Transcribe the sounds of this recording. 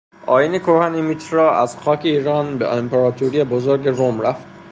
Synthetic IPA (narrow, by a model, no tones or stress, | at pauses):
ʔɒːjinekʰoɾhænimit̪ʰɾɒʔæzxɒːkʰeiːɾɒːnbeʔempʰeɾɒːt̪ʰoɾijebozoɾɟeɾomɾæft̪